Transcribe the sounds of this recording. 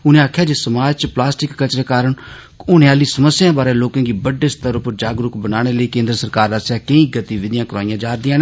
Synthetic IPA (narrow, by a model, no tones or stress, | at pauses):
ʊnẽːaːkʰjaːd͡ʒeːsəmaːd͡ʒt͡ʃəplaːsʈɪkːət͡ʃɾeːkaːɾəɳ | ʊneaːliːsəməsːɪjãːbaːɾeːloːkãːɡiːbəɖeːst̪əɾʊpəɾd͡ʒaːɡɾʊkbənaːɽ̃eːləiːkẽːnd̪ɾəsəɾkaːɾəsjaːkəĩːɡət̪iːʋɪd̪ɪjãːkəɾaːijãːd͡ʒaːɾd̪ɪjãːne